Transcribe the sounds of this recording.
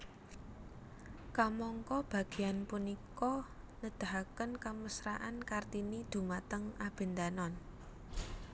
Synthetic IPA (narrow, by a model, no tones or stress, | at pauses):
kamɔŋkɔb̥ä̤ɡ̥e̤anpunikɔ | nəd̪̥a̤ɦakənkaməsɾaʔankart̪inid̪̥ṳmat̪əŋʔab̥e̤nd̪anɔn